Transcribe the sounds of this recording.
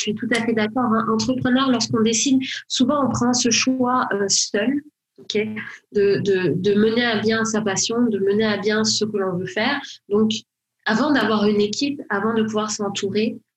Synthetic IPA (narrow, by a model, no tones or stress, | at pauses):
sɥit̪ut̪afɛd̪akɔʁɛ̃ʔɑ̃t̪χəpχənœʁlɔʁskɔ̃d̪esid̪suvɑ̃ɔ̃pχɑ̃səʃwwaœsœl | ɔkʰʲed̪əd̪əd̪əməneɛabjɛ̃sapasjɔ̃d̪əməneãbjɛ̃səkəlɔ̃vøfɛːʁd̪ɔ̃k | avɑ̃d̪avwaʁynekʲʰipavɑ̃d̪əpuvwaʁsɑ̃t̪ʰuʁe